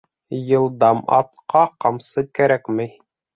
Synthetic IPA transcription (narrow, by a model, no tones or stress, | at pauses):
jɤ̆lˠd̪ɑmɑ̰t̪̚qɑqɑmsɤkæɾækmæj